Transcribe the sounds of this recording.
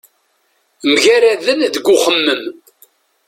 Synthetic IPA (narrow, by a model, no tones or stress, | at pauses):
mʝæɾaðənðəɡʷʊχəmːəm